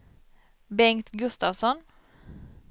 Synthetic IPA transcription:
bɛŋt̪ɡɵst̪avsɔn

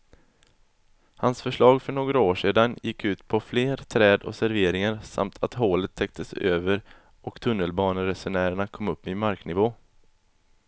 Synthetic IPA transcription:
hansfœʂɭɑːɡfœɳoːɡɾaoːʂeːd̪anjɪkʰːʉ̟ːt̪pʰɔfleːɾt̪ʰɾɛːd̪ɔ̰sæɾveːɾɪŋaɾsa̰mt̪ʰat̪ɦoːlət̪ʰːɛk̚t̪ʰəsøːvəɾ | ʔɔkt̪ʰɵnːəlbɑːnəɾɛsʊɳæːɾəɳakʰɔmːɵpːɪmaɾknɪvoː

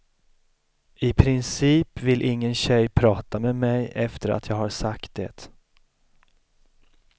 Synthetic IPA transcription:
ɪpʰɾɪnsiːpvɪlʔɪŋːənɕɛjːpʰɾɑːt̪amɛmɛjɛft̪əɾʔa̰t̪ʰjɑːɡhaɾsakt̪̚d̪ɛ̰ːt̪

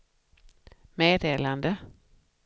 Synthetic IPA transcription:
meːd̪eːland̪ə

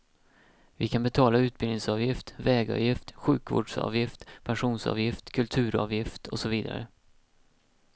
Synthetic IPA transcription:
vɪkʰanbɛt̪ʰɑːlaʉ̟ːt̪̚bɪlnɪŋsɑːvjɪft̪vɛːɡɑ̰vjɪft̪ɧʉ̟ːkvo̰ːɖʂɑ̰ːvjɪft̪pʰɛnɧuːnsɑ̰ːvjɪft̪kʰɵlt̪ʰʉ̟ːɾɑ̰ːvjɪft̪ʰɔ̰sɔviːd̪a̰ɾə̰

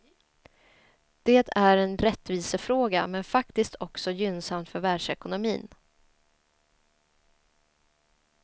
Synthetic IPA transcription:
d̪̥eːt̪ʰæɾɛnɾɛt̪ːviːsəfɾoːɡamɛnfakt̪ɪst̪ʰɔksɔjʏnsamt̪fœɾvæɖʂɛkʊnʊmḭːn

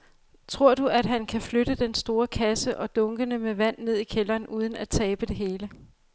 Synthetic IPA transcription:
t͡sʰʁo̝ɐ̰d̥uʔæd̥ɦænkʰæfløɾ̥əd̥ensd̥o̝ːɐkʰæsəʔɒ̽d̥ɔ̽ŋɡ̥ənəmeʋæn̰ːe̝ð̰ˠikʰelɐːnuːð̞ˠən̩æt͡sʰɛːb̥əd̥e̝ɦe̝ːlə

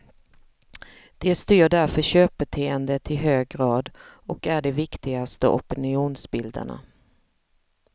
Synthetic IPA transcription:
d̪̥ɛst̪yːɖæɾfœɕøːp̚bɛt̪ʰeːənd̪ət̪ʰɪɦøːɡɾɑːd̪ɔkæɖɛvɪkt̪ɪɡast̪ə̰ʔɔ̰pɪnɪuːnsbɪld̪ə̰ɳa̰

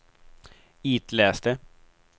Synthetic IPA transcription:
iːt̪lɛːst̪ə

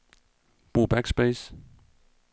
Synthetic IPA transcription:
b̥ʁṵːb̥æɡ̥sb̥eɪs

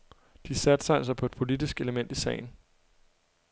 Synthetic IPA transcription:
d̥isæd̥sɑ̈ɪelsɑ̈ɪpʰɒ̽e̝d̥̚pʰo̝lid̥isɡ̥e̝ləmen̰d̥isɛ̰ːɪn̩

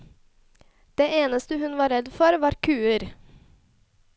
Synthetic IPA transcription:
d̪̥eːʔeːnəst̪əhʉnʋɑːɾɛd̪fɔɾʋɑːɾkʰʉːəɾ

